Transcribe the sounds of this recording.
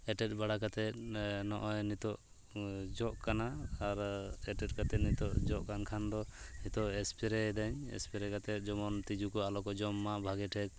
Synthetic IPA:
ɛʈɛt̪̚ˀbaɽakat̪ɛt̪̚nɔʔɔjnit̪ɔʔ | d͡ʒɔʔkanaːɾɛʈɛt̪̚kat̪ɛt̪̚nit̪ɔʔd͡ʒɔʔkankʰand̪ɔnit̪ɔʔɛspʰiɾɛd̪aɲɛ̰spiɾɛkat̪ɛt̪̚ˀd͡ʒɔmɔnt̪id͡ʒukɔalɔkɔd͡ʒɔmːaʔbʱaɡɛʈʰɛk̚

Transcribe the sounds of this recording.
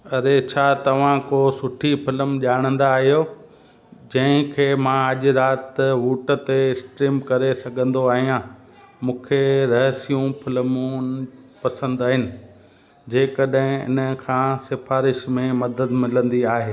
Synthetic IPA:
ɐɾet͡ɕʰaːt̪ɐʋ̤ãkosʊʈʰipʰɪləmʄaːɽ̃ə̃nd̪aːɦijoː | d͡ʑɐ̃ɦɪ̃kʰeːmãɐʄɾaːt̪ʋuːʈə̆t̪eɪsʈɾiːmkɐɾesɐɡʱə̃nd̪oaːɦijãː | mũːkʰeɾɐɦsijũpʰɪləmu | pɐsə̃nd̪aːɦɪnɪ̆ | d͡ʑeːkəɗɦɪ̃ɪ̰nəkʰãːsɪfaːɾɪʃmẽmɐd̪əd̪mɪlə̃nd̪iaːɦeː

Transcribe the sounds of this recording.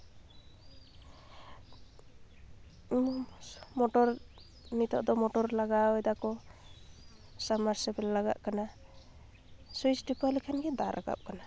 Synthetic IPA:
immɔʈɔɾ | nit̪ɔ̰ʔd̪ɔmɔʈɔɾlaɡaɔjd̪akɔ | samaɾsɛbɛllaɡa̰ʔkana | suisɖipalikʰanɡɛd̪a̰ɾʔa̰ɡa̰p̚kana

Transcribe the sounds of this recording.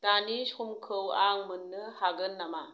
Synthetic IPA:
d̥anisumkʰɯwaŋmɯnːɯhaɡɯnːama

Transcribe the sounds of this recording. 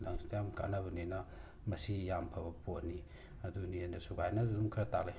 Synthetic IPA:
lɐŋstjamka̰nabɐninɐ | mɐsijampʰɐbɐponi | ɐdunienɐsubajnɐdudumkʰɐɾɐtale

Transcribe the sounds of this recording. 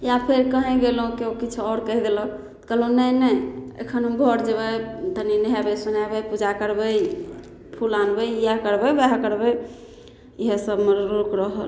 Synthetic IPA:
japʰeɾkəɦɛ̃ɡelɦũkeokit͡ʃʰɔɾkəɦid̪elɔ̃ | kəlonəjnəjḛkʰənũɡʱɔɾd͡ʒebət̪əninɦɛbəsunabəpud͡ʒakəɾbəj | pʰulanbəjjakəɾbəjbɛɦakəɾbɛj | iɦesəbmeɾokɾəɦəl

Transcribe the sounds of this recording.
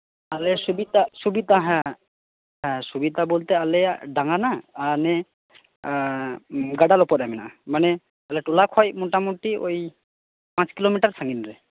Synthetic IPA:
alɛsubid̪asubid̪aɦɛ̃ | ɦɛ̃subid̪abolt̪ɛalɛɖaŋanaːnɛ | ɡaɖalɔpɔt̪̚amina̰ʔamanɛ | alɛʈulakʰɔjmɔʈamuʈio̰j | pãt͡ʃkilomiʈaɾsaŋɡinɾɛ

